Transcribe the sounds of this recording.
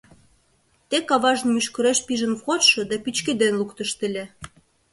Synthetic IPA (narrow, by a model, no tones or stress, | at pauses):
t̪ekɑβɑʒənmyʃkə̆ɾeʃpiʒə̆nwʁot̪ʃɤ̆d̪ɑpit͡ɕked̪enlukt̪əʃt̪ə̆lʲe